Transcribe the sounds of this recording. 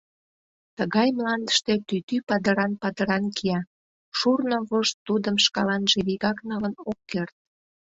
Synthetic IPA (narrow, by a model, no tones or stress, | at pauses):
t̪əɣɑjmlɑnd̪ə̥ʃt̪et̪yt̪ypɑd̪əɾɑnpɑd̪əɾɑnkʰiɑ | ʃurnoβoʃt̪ːud̪əmʃkɑlɑnʒeβiɣɑknɑlənokːert̪̚